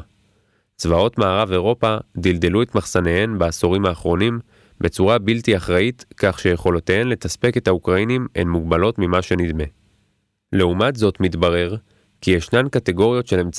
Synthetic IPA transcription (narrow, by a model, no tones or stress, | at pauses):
t͡svao̞t̪maːʁave̞ʁo̞pad̪ild̪eluet̪maχsanehenbeːsoʁimhaːχʁo̞nim | bet͡suʁabiltiaχʁait̪kaχʃejeχo̞lot̪eenle̞t̪aspe̞ke̞t̪haukʁainimḛnmuɡbalo̞tmimaʃe̞nid̪me̞ | le̞umatzo̞tmit̪baʁe̞ʁ | kijeʃnamkat̪eɡo̞ʁijo̞tʃe̞le̞mt͡s